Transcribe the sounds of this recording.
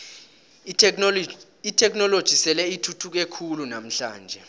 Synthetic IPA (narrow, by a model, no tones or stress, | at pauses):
itʰɛk̬nɔlod̥ʒ̥ʱisɛlɛitʰutʰuk̬ekʰulunam̩ɬa̰ːnd͡ʒʱɛ